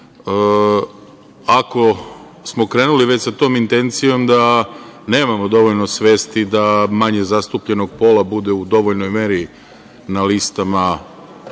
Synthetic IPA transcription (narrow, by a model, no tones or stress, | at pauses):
ə | ako̞ | smo̞kɾe̞ːnuliʋe̞t͡ɕsat̪o̞ːmint̪e̞nt̪sijo̞md̪ane̞ːmamo̞d̪o̞ʋoʎno̞sʋe̞ːst̪id̪amaɲezast̪uːpʎe̞no̞ɡ̚po̞labud̪e̞ud̪o̞ʋoʎno̞jme̞ːɾi | nalist̪ama